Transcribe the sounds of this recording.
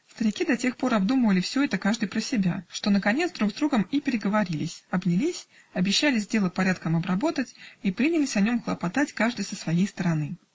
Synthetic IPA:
st̪əɾʲɪkʲid̪ɐtʲe̞xpo̞ɾɐbd̪uməvəlʲɪfsʲɵɛt̪əkaʐd̪ɨjpɾəsʲɪbʲaʂt̪o̞nəkɐnʲet̪sd̪ɾuɡzd̪ɾuɡəmipʲɪɾʲɪɡəvɐɾʲilʲɪsʲɐbnʲɪlʲisʲ | ɐbʲɪɕːælʲɪzʲdʲe̞lˠəpɐɾʲat̪kəmɐbɾɐbo̞t̪ətʲipɾʲinʲɪlʲɪsʲɐnʲo̞mxlˠəpɐt̪atʲkaʐd̪ɨjsəsvɐjejst̪əɾɐnɨ

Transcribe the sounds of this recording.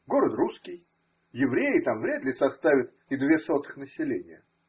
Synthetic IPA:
ɡo̞ɾət̪ruskʲɪj | jɪvɾʲejɪt̪amvɾʲed̪lʲɪsɐst̪avʲɪt̪ | ɪd̪vʲeso̞t̪ɨ̥xnəsʲɪlʲenʲɪjə

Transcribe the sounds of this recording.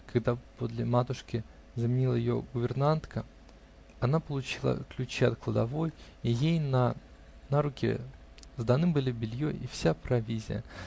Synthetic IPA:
kaɡd̪apod̪lʲɪmat̪ʊʂkʲɪ | zəmʲɪnʲilˠəjɪjo̰ɡʊbʲɪrnant̪kʰə | ɐnapəlˠʊt͡ɕilˠə̰klʲʉt͡ɕiɐt̪̚klˠəd̪avoj | ijejna | naɾʊkʲɪ̰ | zd̪anɨbɨlʲibʲɪlʲjoʔifsʲapɾɐvʲizʲɪ̰jə̰

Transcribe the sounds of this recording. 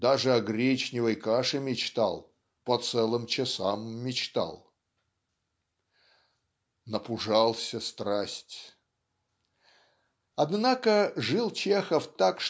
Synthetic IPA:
d̪aʐɨɐɡɾʲet͡ɕnʲɪvəjkaʂɨmʲɪt͡ɕt̪a̰lˠ | pɐt̪sɛlˠɨmt͡ɕɪsamːʲɪt͡ɕt̪a̰lˠ | nəpʊʐalˠsʲəst̪ɾasʲtʲ | ɐd̪nakəʐɨlˠt͡ɕexəft̪akʂ

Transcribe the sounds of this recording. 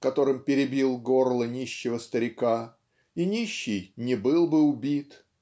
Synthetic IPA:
kɐt̪o̞ɾɨmpʲɪɾʲɪbʲilˠɡo̞rlˠənʲiɕːɪvəst̪əɾʲɪka | inʲiɕːɪjnʲɪbɨlˠbɨʊbʲit̪

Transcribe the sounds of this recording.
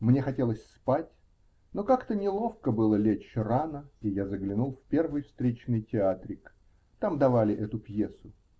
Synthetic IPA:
mnʲexɐtʲe̞lˠəsʲspatʲ | nokakt̪ənʲɪlˠo̞fkəbɨlˠəlʲet͡ɕranəijazəɡlʲɪnulˠfpʲe̞rvɨjfst̪ɾʲet͡ɕnɨjtʲɪat̪ɾʲɪk | t̪amd̪ɐvalʲɪʔɛt̪ʊpjesʊ

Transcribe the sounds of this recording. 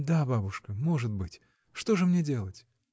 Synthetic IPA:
d̪ababʊʂkəmo̞ʐɨt̪bɨtʲ | ʂt̪oʐɨmnʲedʲe̞lˠətʲ

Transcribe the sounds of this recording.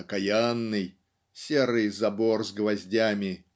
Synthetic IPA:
əkɐjanːɨj | sʲeɾɨjzɐborzɡvɐzʲdʲamʲɪ

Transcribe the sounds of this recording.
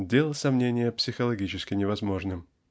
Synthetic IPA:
dʲelˠsɐmnʲenʲɪjəpsʲɪxəlˠɐɡʲit͡ɕɪskʲɪnʲɪvɐzmo̞ʐnɨm

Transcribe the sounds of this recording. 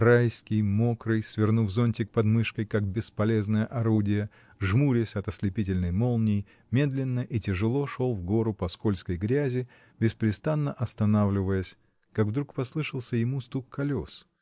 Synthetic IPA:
rajskʲɪjmokɾɨjsvʲɪrnuvzonʲtʲɪk̚pɐd̪mɨʂkəjkak̚bʲɪspɐlʲe̞znəjəʔɐɾudʲɪjə | ʐmuɾʲɪsʲɐt̪əsʲlʲɪpʲit̬ʲɪlʲnəjmo̞lˠnʲɪj | mʲe̞d̪lʲɪnːəʔitʲɪʐɨlˠo̞ʂo̞lˠvɡo̞ɾʊpɐskolʲskəjɡɾʲæzʲɪ | bʲɪspɾʲɪst̪anːəʔɐst̪ɐnavlʲɪvəjəsʲ | kaɡvd̪ɾukpɐslˠɨʂəlˠsʲəjɪmust̪ukkːɐlʲo̞s

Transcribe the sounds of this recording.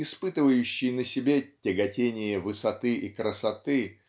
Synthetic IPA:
ɪspɨt̪ɨvəjʉɕːɪjnəsʲɪbʲetʲɪɡɐtʲenʲɪjəvɨsɐt̪ɨʔikɾəsɐt̪ɨ

